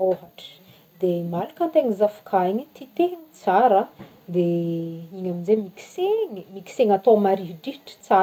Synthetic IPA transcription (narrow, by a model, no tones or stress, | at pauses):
oɦaʈ͡ʂə̥ | d̪emalakat̪eŋizafu̥kʰaiɲit̪it̪eŋit͡saɾə | d̪eiɲaminzemiki̥seŋimiki̥seŋat̪omaɾiɦiɖ͡ʐiʈ͡ʂi̥t͡sa